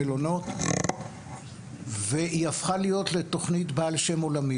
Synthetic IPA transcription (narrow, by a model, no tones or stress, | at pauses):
elono̞t | ve̞ʔiafχalijo̞tle̞to̞χnitbaːlʃe̞mo̞lami